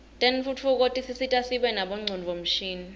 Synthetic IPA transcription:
tʼɛnfutfuk̬ʼotʼisisitʼasiɓɛnaɓɔŋ͡ǀʱunvom̩ʃiːni

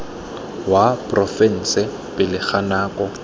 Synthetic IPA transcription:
wapʼrɔfɛn̩sɪ | pʼɪlɪk͡xʰanaːkʼɔ

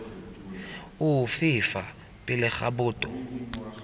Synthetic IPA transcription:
ʊfɪfa | pʼɪlɪχa̰bʊːtʼɔ

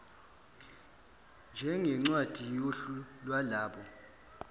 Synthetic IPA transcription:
nd͡ʒʱɛŋɛŋ͡ǀwad̥ʱijoɬulwalaːɓɔ

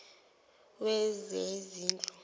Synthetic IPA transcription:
wɛzeziːnt͡ɬʼɔ

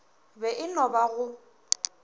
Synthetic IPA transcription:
bɛʔɪnɔbaɣʊ

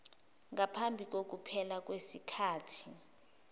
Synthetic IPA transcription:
ŋapʰambʱik̬ok̬upʰɛlak̬wesikʰaːtʰi

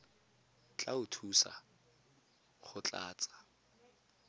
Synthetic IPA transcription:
t͡ɬʼaʊtʰusa̰ | χʊt͡ɬʼa̰ːt͡sʼḁ

